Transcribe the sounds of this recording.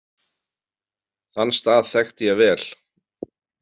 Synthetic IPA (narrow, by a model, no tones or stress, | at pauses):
θanːst̪aːðθɛxt̪ɪjɛvɛːl̥